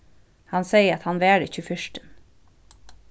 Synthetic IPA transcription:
hɑnseɪəɾɑt̪hɑnʋæːɖə̰çʉːfʏʃʈən

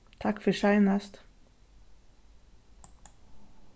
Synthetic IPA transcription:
t̪ʰɑkfɔʃɑɪnəst̪

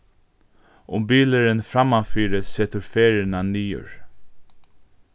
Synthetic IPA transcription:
ʔʊmbiːləɾənfɾamafiːɾəseːt̪əɾfeːɾɪnaniːʊ̰ɹ

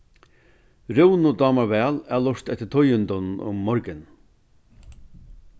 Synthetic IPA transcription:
ɾɪwnʊd̪ɑːmaɾʋɛːlælɔʂt̪ɛt̪ːɪt̪ʰɔjʏnd̪ʊnnʊ̰mːɔɾkɪn

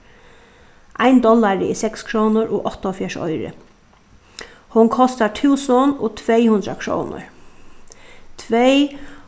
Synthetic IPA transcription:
ʔaɪnd̪ɔlːaɾɪɪsɛkskʰɾɔːnʊɾɔːʔɔht̪aɔfjɛʂɔ̰jɾɪ̰ | hʊnkʰɔst̪aʈʰuwsɔnɔːt̪ʰʋejhʉnd̪ɾakʰɾo̰ːnʊ̰ɹ | t̪ʰʋej

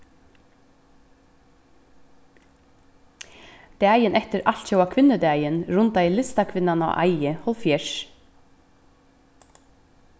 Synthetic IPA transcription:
d̪̥ɛːjɪnɛht̪ɪɾal̥t̪ʃɔwakʰʋɪnːəd̪ɛːjɪnɾʊnt̪ajlɪst̪akʰʋɪnːanɔ̰ʔa̰jɪhɔlfjɛʃ

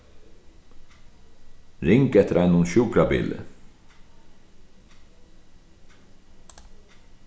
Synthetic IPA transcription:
ɾɪŋkɛt̪əɾʔæɪnʊnʃuːkʰɾabɪ̰ːlə̰

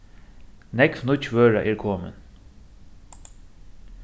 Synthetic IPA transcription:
nɛkvnʊt͡ʃʋøːɹaʔɛːɹkʰɔːmə̰n

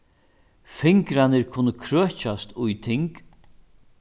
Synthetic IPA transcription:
fɪŋkɾanɪɾkʰuːnəkʰɾøːt͡ʃast̪ʊjt̪ʰɪŋk

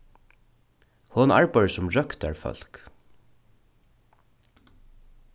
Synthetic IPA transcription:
hʊna̰ɹpɑɪsʊmɹœkt̪a̰ɹfœ̰l̥k

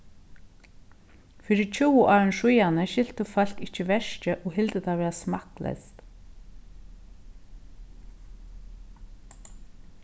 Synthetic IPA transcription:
fɪːɾɪt͡ʃʰuːwʔaːɹənʃujanəʃɪl̥t̪ʏfal̥kɪhcəvɛʃcəʔɔɣɦɪlt̪ət̪ʰavʋɛːasmaklɛ̰st̪

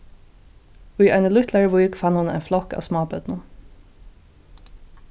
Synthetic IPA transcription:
ʉjæɪnəlʏt̪læɹəʋʊjkfɑnhʊnæ̰ɪnflɔkɑ̰ːʋsmɑːbœd̪nʊ

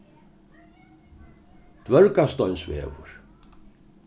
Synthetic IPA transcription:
t̪vœɾkast̪ɔjnsvɛ̰ːvʊ̰ɾ̥

